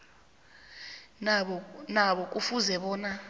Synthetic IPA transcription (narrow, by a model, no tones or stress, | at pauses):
ɓɔnaɓɔk̬ʼufuzɛɓɔːna